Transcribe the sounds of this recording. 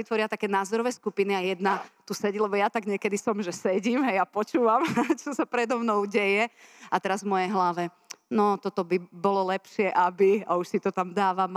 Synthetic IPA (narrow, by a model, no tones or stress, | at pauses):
it̪ʋɔɾɪat̪akɛːnaːzɔɾɔʋɛskupiniajɛd̪nat̪usɛɟilɛbɔjat̪aɡɲɪɛkɛd̪isɔmʒɛsɛɟiːmɦɛjapɔt͡ʃuːʋamt͡ʃɔsapɾɛd̪ɔmnɔʊɟɛjɛat̪ɛɾazvmɔjɛjɦlaʋɛ | nɔt̪ɔt̪ɔbibɔlɔlɛpʃɪɛʔabiauʃsit̪ɔt̪amd̪aːʋam